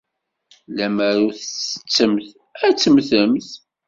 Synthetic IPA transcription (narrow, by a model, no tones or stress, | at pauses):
læməɾuθəsə̥t͡sːəmθ | æt͡sːəmθəmθ